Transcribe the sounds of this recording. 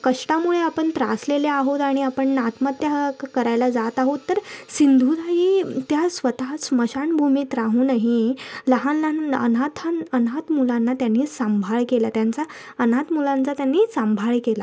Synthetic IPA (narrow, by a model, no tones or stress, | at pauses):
kəʂʈamuɭeapəɳt̪ɾa̰sleleaɦot̪aɽ̃iapəɳnat̪mət̪ːjakəɾajlad͡zat̪aɦot̪ːəɾsind̪ʱud̪ajit̪jasʋət̪at͡sməɕaɳbʱumiːt̪ɾaɦũːnaɦiləɦanlaə̰nat̪ʰanənat̪mulãnːat̪janːiːsambʱaɭkelat̪jant͡sa | ənat̪mulant͡sat̪janːiːsãmbʱaɭkela